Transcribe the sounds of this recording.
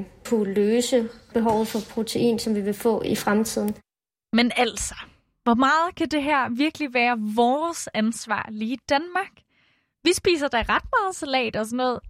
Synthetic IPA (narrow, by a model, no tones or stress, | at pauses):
kʰuløːsəb̥e̝ɦɒʊð̞̩ˠfɒ̽pʰʁo̝t͡sʰe̝ʔḭːnsɒ̽mʋiʋe̝fɔ̰̽ːifʁamt͡sʰið̞̰ˠn̩ | menæl̰sɒ̥ | ʋɒmɑ̈ːð̞̩ˠkʰæd̥e̝ɦæɐ̰ʋiɐɡ̥liʋæːɐʋɒːsænsʋɑ̰̈ːliːd̥ænmɑ̈ɡ̥ | ʋisb̥ḭːs̬ɐd̥ɑʁɑ̈d̥̚mɑ̈ːð̞̩ˠsælɛ̰ːd̥ɒsɒnːɔ̽ːð̩ˠ